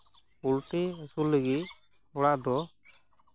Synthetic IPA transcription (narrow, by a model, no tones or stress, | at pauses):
ulʈiəsuləɡiʔ | ɔɽaʔd̪ɔ